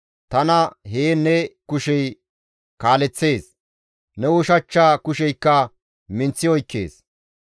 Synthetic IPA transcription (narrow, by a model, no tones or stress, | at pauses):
t̪ɐnɐɦeːnɛkʊʃɛj | kaːlɛt͡sːe̞ːs | nɛwʊʃɐt͡ʃːaːkʊʃɛjkːɐ | mɪnt͡sːɪɔjkːe̞̰ːs